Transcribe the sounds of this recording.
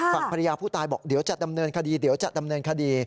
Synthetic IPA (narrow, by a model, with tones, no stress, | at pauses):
fa˨˩pʰa˧ɾa˧jaː˧pʰuː˥˩t̪aː˧jbɔː˨˩k̚di˨˦wt͡ɕa˨˩da˧mnɤː˧nkʰa˧diː˧di˩˦wt͡ɕa̰˨˩da˧mnɤː˧nkʰa˧diː˧